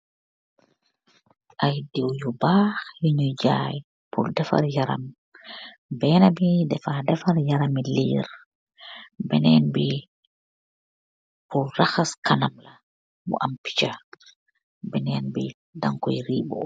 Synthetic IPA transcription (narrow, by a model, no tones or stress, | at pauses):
ʔajdiwjubaːxjiɲud͡ʒaj | pʰṵldɛfa̰ɾjaɾa̰m | bɛːnabidɛfadɛfaɾjaɾamiliːɾ | bɛnɛːnbi | pulraxaskanamla | bṵʔampi̥t͡ʃa | bɛnɛːnbi | daŋkɔjɾiːbɔ̰